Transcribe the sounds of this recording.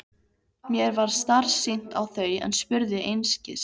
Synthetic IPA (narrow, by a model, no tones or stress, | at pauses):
mjɛɾvaɾ̥st̪ar̥sːin̥t̪awθœːjɛ̰nspʏɾðɪʔejnscɪ̰s